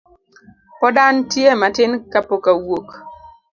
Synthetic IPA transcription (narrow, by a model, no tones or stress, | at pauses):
pɔdantjematɪnkapokawok